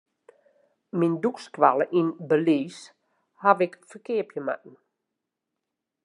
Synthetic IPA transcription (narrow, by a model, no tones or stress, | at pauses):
mindukskʋaləʔinbəliːs | havɪkfəkɪəpjəma̰ʔn̩